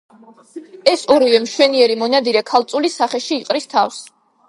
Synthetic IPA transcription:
ɛsɔɾivɛmʃwɛniɛɾimɔnad̪iɾɛkʰalˠt̪sʼulisaχɛʃiːqʼɾist̪ʰafs

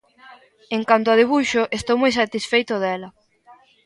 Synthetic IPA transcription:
eŋkant̪̬oaðiβuʃoʔest̪owmojsat̪isfejt̪ʊðɛlɐ

